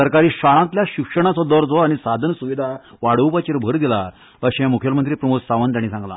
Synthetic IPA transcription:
əɾkaɾiːɕaɭãt̪ljaɕikʂəɽ̃at͡sɔd̪ɔɾd͡zɔaɽ̃isad̪ʱənəsuʋid̪ʱa | ʋaɽ̤əwpat͡ɕiɾbʱəɾd̪ila̰ | əɕɛ̃mukʰjəlmənt̪ɾiːpɾəmusaʋənt̪ãĩsãŋɡla̰

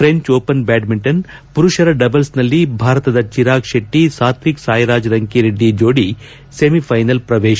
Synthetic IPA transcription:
fɾeɲt͡ʃoːpɐnbɛːɖmiɳʈɐn | puɾuʃɐɾɐɖɐbɐlsnɐlːibʱaːɾɐt̪ɐd̪ɐt͡ʃiɾaːkʃeʈːisaːt̪ɾiksaːjɾaːd͡ʒɾɐŋkiɾeɖːid͡ʒoːɽi | semifʰɐjnɐlpɾɐʋeːʃɐ

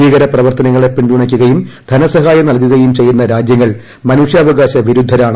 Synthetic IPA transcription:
iːɣɐɾɐprɐʋɐrt̪ɐnɐŋːɐɭe̞pːiɳduɳɐkʲːuɣɐjumd̪ʱɐnɐsɐɦaːjɐnɐɭkuɣɐjumt͡ɕe̞jːunːɐɾaːd͡ʑjɐŋːɐɭ | mɐnuːʂjɐːʋɐɣaːɕɐʋiɾud̪ʱːɐɾaːɳɨ

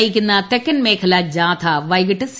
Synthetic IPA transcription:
ikɪnd̪ãːt̪ekːɐnmẽːkʰɐlaːd͡ʒaːt̪ʰaːʋɐjɡɐʈɐs

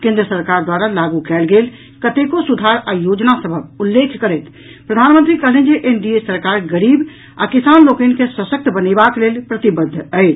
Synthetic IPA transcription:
kẽnd̪ɾəsəɾkaɾd̪waɾalaɡukɛːlɡeːl | kət̪ekosud̪ʱaɾajod͡ʒnasəbʱəbulːekʰkəɾɛt̪ | pɾəd̪ʱanmə̃nt̪ɾikəɦleɛ̃nd͡ʒeʔenɖiesəɾkaɾɡəɾiːb | a̰kɪsaːnlokenkesəsək̚t̪ʰbənebaklelpɾət̪ibəd̪ʱːəɪt͡ʃ

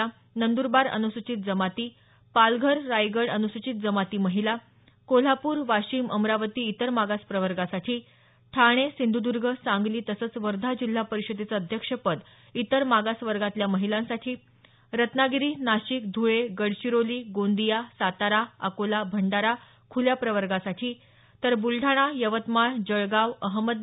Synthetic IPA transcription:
a | nənd̪uɾbaɾə̰nusut͡ɕit̪̚d͡zəmat̪iː | palɡʱəɾːajɡəɽənusut͡ɕit̪̚d͡zəmat̪iːməɦila | kol̤apuːɾʋaɕiːməmɾaʋət̪iːt̪əɾmaɡaspɾəʋəɾɡasaʈʰiː | ʈʰaɽ̃esind̪ʱud̪uɾɡʱəsãŋɡliːt̪əsəːt͡sʋəɾd̪ʱad͡ʑil̤ːapəɾiɕəd̪et͡səəd̪ʱjəkʂəpəd̪ | it̪əɾmaɡasʋəɾɡat̪ljaməɦilãnsaʈʰiː | ɾət̪naɡiɾiːnaɕikd̪ʱuɭeɡəɽɕiɾoliːɡond̪ijasat̪aɾaa̰kolabʱəɳɖaɾa | kʰuljapɾəʋəɾɡasaʈʰiː | t̪əɾbulɖʱaɽ̃ajəʋət̪maɳd͡ʑəɭɡaʋəɦməd̪

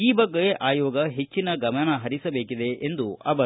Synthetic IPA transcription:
iːbɐɡːɐjeʔaːjɔːɡɐɦe̞t͡ʃːinɐɡɐmɐnɐɦɐɾisɐbeːkid̪e̞ʔend̪uʔɐ̰ʋɐ

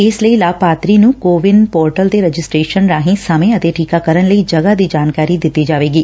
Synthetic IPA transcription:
ɪsləiːlaːpaːt̪ɾiːnũːkoːʋɪnpoːɾʈəlt̪eɾɛd͡ʒɪsʈɾeːʃənɾaːɦĩsəmẽət̪eʈʰiːkakəɾənləiːd͡ʒəɡad̪iːd͡ʒaːnkaːɾid̪ɪt̪ːiːd͡ʒaːʋeːɡiː

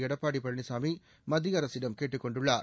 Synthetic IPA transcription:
ɛɽɐpːaːɽipɐɳɳisaːmi | mɐd̪iɐɾɐsɪɽɐmkeːʈːɯkːɔɳɖɯɭːaː

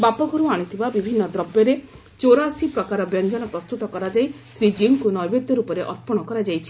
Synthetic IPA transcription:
bapɔkɔɾuaɽ̃it̪ʰibabibʱinːɔd̪ɾɔbjɔɾe | t͡ʃoɾasipɾɔkaɾɔbjɔnd͡ʒɔnɔpɾɔst̪ut̪ɔkɔɾad͡ʒajsɾid͡ʒimkunɔjbed̪jɔɾupɔɾeʔɔɾpɔɽ̃ɔkɔɾad͡ʒajt͡ʃʰi̥

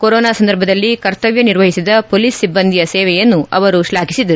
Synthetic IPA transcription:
koɾoːnaːsɐnd̪ɐɾbʱɐd̪ɐlːikɐɾt̪ɐʋjɐniɾʋɐɦisid̪ɐpoliːsːibːɐnd̪ʱijɐsɛːʋɛjɐnːuɐʋɐɾuʃlaːkisid̪ɐɾu

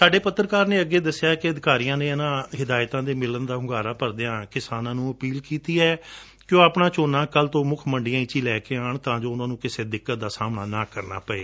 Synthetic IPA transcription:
saːɖeːpət̪ːəɾkaːɾneːəɡːeːd̪əsɪjaːkɪəd̪ɪkaːɾijãːneːənãːɦɪd̪aːjt̪ãːd̪eːmɪlənd̪aːɦʊɡaːɾaːpəɾd̪eãːkɪsaːnãːnũːəpiːlkiːt̪iːɛː | kjõːapɳaːt͡ʃoːnãːkəlt̪õːmʊkʰməɳɖɪjãːiːt͡ʃiːlɛːkeːaːɳt̪ãːd͡ʒoːʊnãːnũːkɪseːd̪ɪkːət̪̚d̪aːsaːmnaːnaːkəɾna̰ːpəḛː

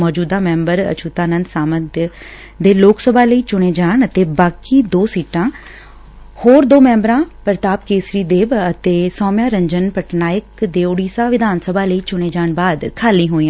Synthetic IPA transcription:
mɔːd͡ʒuːd̪aːmɛ̃ːmbəɾə̰t͡ʃʰuːt̪aːnənd̪saːməd̪ | d̪eːloːksəbʱaːləiːt͡ʃʊɽ̃eːd͡ʒaːɳət̪eːbaːkiːd̪oːsiːʈãː | hoːɾd̪oːmɛ̃ːmbɾãːpəɾt̪aːb̚keːsɾiːd̪eːbət̪eːsɔːmjãːɾəɲd͡ʒənpəʈnaːjɪkd̪eːʊɽiːsaːʋɪd̪ʱaːnsəbʱaːləiːt͡ʃʊɽ̃eːd͡ʒaːɳbaːd̪kʰaːlĩːɦoːiãː

